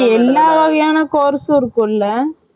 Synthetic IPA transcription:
ɛlːaːʋɐɣɐjaːnɐkoːɾsʊ̃ɪɾɯkːʊ̃ɪlːɐ

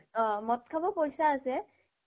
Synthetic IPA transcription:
ɔ̃mɔt̪̚kʰabɔpojsaːsɛ

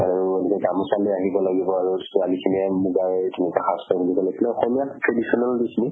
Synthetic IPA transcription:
aɹuelɛkɛɡamɔsalɛaɦibɔlaɡibɔaɹuzitualikʰimiɛmuɡaɹɛdinikaxastʰɔbʱulibɔlaɡilɛɔxɔmijatʰɹedisɔnɔldisni

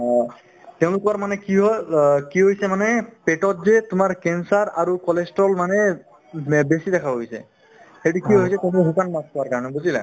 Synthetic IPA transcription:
tɛʊ̃lʊkɔɹmanɛkiɦɔkiɦojsɛmanɛpeʈɔtzɛtʊmaɹkɛnsaɹaɹukɔlestɹɔlmanɛ | besidɛkʰaboɦijsɛ̰ | xetukiɦojsɛtɛ̃lɦukanmaskɔwaɹkaɹɔnɛbuzilɛ̰

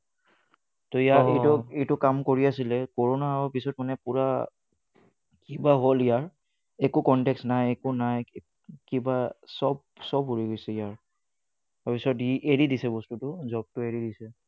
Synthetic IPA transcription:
tɔijatejtɔetʊkamkoɹiasilɛkoɹonaɹɔpisɔtmanɛpuɹa | kibaɦolijaɹ | ekukɔntɛksnajekunaj | kibasɔb̚ | sɔbɦuɹiɡojsɛijaɹ | apisɔtieɹidisɛbɔstutʊzɔb̚tʊeɹidisɛ

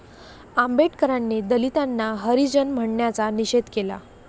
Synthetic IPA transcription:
ambeʈkəɾanːed̪əlit̪anːaɦəɾid͡ʑənm̤əɳɳjat͡saniɕed̪kela̰

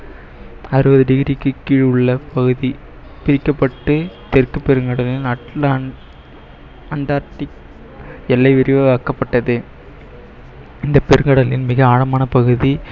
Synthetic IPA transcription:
ɐɾɯʋɐðɯɖɪɣɪɾɪkːɯkːiːɻɯɭːɐpɐɣɯði | pɪɾɪkːɐpːɐʈːɯt̪ɛrkɯpːɛɾɯŋɡɐɽɐlɪlɐʈla | ɐɳɖaːɾʈːɪk̚ | ɛlːɐɪʋɪɾɪʋɐʋaːkːɐpːɐʈːɐðɯ | ɪnd̪ɐpːɛɾɯŋɡɐɽɐlɪnmɪɣɐaːɻɐmaːnɐpɐɣɯði

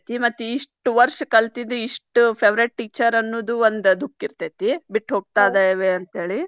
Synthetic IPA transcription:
t̪imɐt̪ːuiʂʈʋɐɾʂkɐlt̪id̪eiʂʈupʰeːʋɾeʈ̚ʈiːt͡ʃɐɾɐnːoːd̪uond̪d̪ukːiɾt̪et̪ibiʈːɦoːɡ̚t̪aːd̪ejʋeɐnt̪ɦeːɭi

